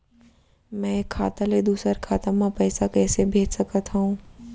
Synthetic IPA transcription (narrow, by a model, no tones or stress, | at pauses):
mɛ̃ːkʰːaːt̪aled̪uːsəɾkʰaːt̪əmãpɛːsakɛːsebʱeːd͡ʒsɐkət̪ɦũː